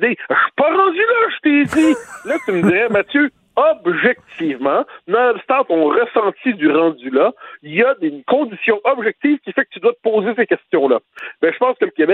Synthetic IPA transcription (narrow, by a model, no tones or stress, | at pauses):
d̪eʃy̥paʁɑ̃d̪ylaʒət̪eilat̪yməd̪iʁɛmat̪jø | ɔbʒɛk̚t̪ʰivmɑ̃nast̪ãt̪ɔ̃ʁəsɑ̃t̪id̪yʁɑ̃d̪ylajad̪ekɔ̃d̪isjɔ̃ʔɔbʒɛk̚t̪iːv̥kʲifɛkət̪yd̪wat̪ə̥poːzesekʲɛst̪jɔ̃labɛ̃ʒə̥pɑ̃ːskələkʲebɛ